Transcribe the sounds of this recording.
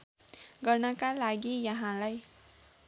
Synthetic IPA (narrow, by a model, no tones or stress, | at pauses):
ɡʌrnʌkalaɡijʌɦãlaj